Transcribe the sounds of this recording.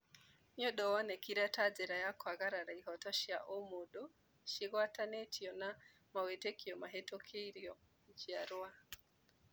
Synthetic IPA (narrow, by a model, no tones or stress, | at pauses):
ɲɔɗɔwɔnɛkiɾatad͡zɛɾajakwaɣaɾaɾaiɦɔtɔʃiaʔɔmoɗɔ | ʃiɣwatanɛtʰiɔna | mawɛtɛkiɔmaɦɛtɔkʰeiɾiɔ | d͡ʒiaɾwa